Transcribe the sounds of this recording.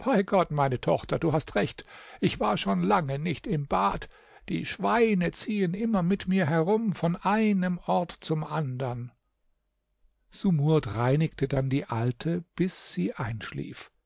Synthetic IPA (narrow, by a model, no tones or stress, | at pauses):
b̥aɪɡɔtmaɪnətʰɔ̰χtɐduːɦastʁɛçtʔɪçv̥aːɐʃoːnlaŋənɪçtɪmbaːt | d̥ḭːʃv̥aɪnət͡siːənʔɪmɐmɪtmiːɐɦɛʁʊmfɔnʔaɪnəmʔɔɐtt͡sʊmʔandɐn | z̥umuɐtʁaɪnɪktʰədandiːʔaltʰəb̥ɪsz̥iːʔaɪnʃlḭːf